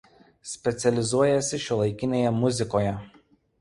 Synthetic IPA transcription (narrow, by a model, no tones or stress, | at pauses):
sʲpʲɛt̪sʲɛlʲɪzuɔjɛsʲɪʃʲʊlˠɐɪkʲɪnʲeːjɛmʊzʲɪkoːjɛ